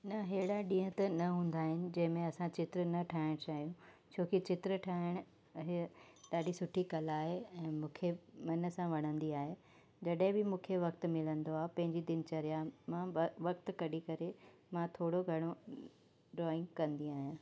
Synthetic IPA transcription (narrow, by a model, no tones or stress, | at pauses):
nɐɦeːɽaɗĩːɦʊ̃t̪ɐnɐɦũːn̆d̪aːɦɪnɪ̆d͡ʑɐ̃ɦɪ̃mẽɐsãt͡ɕɪt̪ɾənɐʈʰaːɦɪɽ̃t͡ɕaːɦijũ | t͡ɕʰoːkit͡ɕɪt̪ɾəʈʰaːɪɽ̃ʊ | ɦeɗaːɖisʊʈʰikɐlaːɦeɛ̃ːmũːkʰemɐnə̆sãʋɐɽ̤̃ə̃nd̪iaːɦe | d͡ʑɐɗɦɪ̃bɪmũːkʰeʋɐkt̪̆mɪlə̃nd̪oaːɦepɐ̃ɦɪ̃ɲd͡ʑid̪ɪnt͡ɕɐɾijamãʋɐkt̪kɐɗikɐɾe | mãt̪ʰoːɽoɡʱɐɽ̃o | ɖɾɔːɪ̃ŋɡkɐ̃nd̪iaːɦjã